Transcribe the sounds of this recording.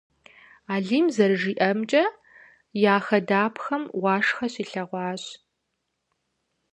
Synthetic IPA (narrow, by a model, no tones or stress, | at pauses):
aːɮiːmzɐɾɨʒiːʔɐmt͡ʃʼɐ | jaːxɐdaːpʰxɐmwɑːʂxɐɕiːɬɐʁʷɑːɕ